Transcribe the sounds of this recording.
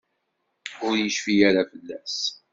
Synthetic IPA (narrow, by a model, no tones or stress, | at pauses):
ʊɾjəʃfijaɾafəlːæs